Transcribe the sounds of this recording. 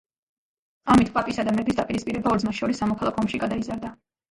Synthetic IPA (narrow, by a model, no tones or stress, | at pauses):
amit̪ʰpʼapʼisad̪amɛbis̬d̪apʼiɾispʼiɾɛbaɔɾd̪zmasʃɔɾisːamɔkʰalˠakʰɔɔmʃiɡad̪aizaɾd̪a